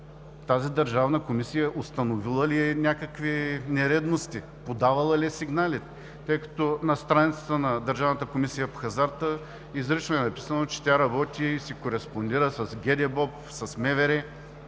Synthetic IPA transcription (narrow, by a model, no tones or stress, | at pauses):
t̪azid̪ɐɾʒavnəkomisijəʔost̪ɐnovilˠəliɛnʲakəkvinɛɾɛd̪nost̪i | pod̪avɐlˠɐliɛsiɡnalit̪ɛ | t̪ɤjkɐ̥t̪ɔnɐst̪ɾanit̪sə̥t̪ənɐd̪ɐɾʒavnət̪əkomisijəpoxɐzaɾt̪ə | izɾiʃəɛnɐpi̥sənot͡ʃɛ̥t̪ʲaɾɐbɔt̪ʲiːsikoɾɛspond̪iɾəsɐsɡʲɛd̪ɛbɔp | sɐsmɛvɛɾɛ